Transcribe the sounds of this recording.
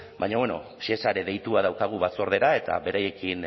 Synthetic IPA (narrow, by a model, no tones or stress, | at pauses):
bajɲaβweno̞̰ | siesaɾe̞ðe̞jt̪uaðawkaɣ̞uβat͡soɾðe̞ɾae̞t̪a̰βe̞ɾaje̞kin